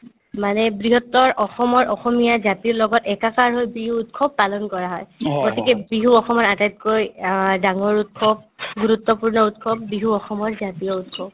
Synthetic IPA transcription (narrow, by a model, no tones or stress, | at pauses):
manɛbɹiɦɔtːɔɹʔɔxɔmɔɹʔɔxɔmijazatiɹlɔɡɔtɛkakaɹɦojbɹiɦuːtkʰɔbːalɔnkɔɹaɦɔjɡotikɛbiɦuɔxɔmɔɹatajt̚kojdaŋɔɹutkʰɔb̚ɡuɹutːɔpuɹnɔutkʰɔb̚ːɹiɦuɔxɔmɔɹzatiɔut̚kʰɔb̚